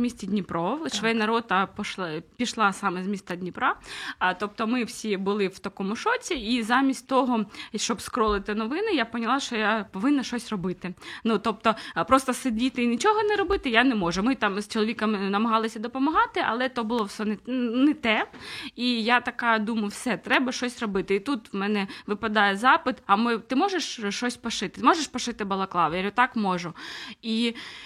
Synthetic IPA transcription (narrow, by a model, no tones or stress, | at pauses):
mʲisʲt͡sʲidʲnʲipɾɔwʃʋɔɛnɐɾɔd̪̚ɑpɔʃˠpʲiʃlˠɑsɑmɛzʲmʲist̪ɐdʲnʲipɾat̪ɔp̚t̪ɔmɪwsʲibʊlˠɪwt̪ɐkɔmʊʃɔt͡sʲiizɑmʲisʲtʲt̪ɔɦɔʃt͡ʃɔbskɾɔlˠɪt̪ɪnɔʋɪnɪjapɔnʲɐlˠɑʃt͡ʃɔjapɔʋɪnːɐʃt͡ʃɔsʲrɔbɪt̪ɪnut̪ɔp̚t̪ɔpɾɔst̪ɔsɪdʲit̪ɪinʲit͡ʃɔɦɔnɛɾɔbɪt̪ɪjanɛmɔʒʊmɪt̪ɑmst͡ʃɔlˠɔʋʲikɐmɪnɐmɐɦɑlˠɪsʲɐd̪ɔpɔmɐɦɑt̪ɪʔɐ̰lˠɛt̪ɔbʊlˠɔwsɛnɛnɛt̪ɛijat̪ɐkɑd̪umɐjʊwsɛt̪ɾɛbɐʃt͡ʃɔsʲrɔbɪt̪ɪit̪ut̪wmɛnɛʋɪpɐd̪ɑjɛzɑpɪt̪ɐmɪt̪ɪmɔʒeʂʃɔsʲpɔʃɪt̪ɪmɔʒeʂpɔʃɪt̪ɪbɐlˠɐklˠɑʋjeɾʲʊt̪ɑkmɔʒʊi